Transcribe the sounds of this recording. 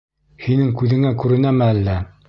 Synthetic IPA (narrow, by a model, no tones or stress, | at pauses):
hinɘŋkʉðɘ̆ŋækʉɾɘ̆næmɘælːæ